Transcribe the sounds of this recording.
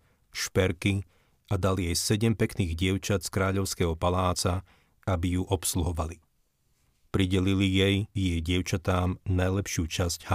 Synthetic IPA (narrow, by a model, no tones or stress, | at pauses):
ʃpɛɾki | ʔad̪aliɛjsɛɟɛmpɛkniːɣɟɪɛʊt͡ʃat̪skɾaːʎɔʊskɛɦɔpalaːt͡sa | abijuʔɔpsluɦɔʋali | pɾiɟɛlilijɛjjɛjɟɪɛʊt͡ʃat̪aːmnajlɛpʃɪuːt͡ʃasɟ̥ha